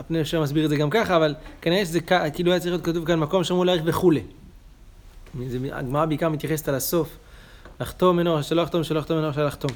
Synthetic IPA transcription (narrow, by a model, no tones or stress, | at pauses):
apneefʃemasbiʁedzeɡamkaχaːvalkaniʁeʃ̬ezekakiːluajat͡sʁixjot̪kat̪̬uvkanmako̞mʃemulaːʁeχbe̞χule | izea̰ɡmaʁabeikaʁmit̪jaχe̞s̬et̪alaso̞f | laχt̪o̞menoʃeloaχt̪omʃeloaχt̪omenoʁʃalaχt̪o̞m